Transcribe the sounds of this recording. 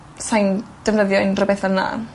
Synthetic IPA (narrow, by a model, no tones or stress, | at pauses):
sajnd̥əvnəðjɔɨnrəbɛθənːa̰